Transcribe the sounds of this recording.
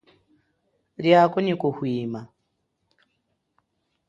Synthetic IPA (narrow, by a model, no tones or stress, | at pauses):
ljakʼɔnikɔhwiːma